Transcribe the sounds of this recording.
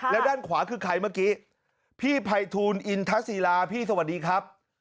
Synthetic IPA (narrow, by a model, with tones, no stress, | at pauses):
lɛ˦˥daː˥˩nkʰwaː˩˦kʰɯː˧kʰa˧jmaː˥˩kiː˦˥ | pʰiː˥˩pʰa˧jt̪ʰuː˧nʔi˧nt̪ʰa˦˥siː˧laː˧pʰiː˥˩sa˧wa˨˩t̚diː˧kʰɾa˦˥p̚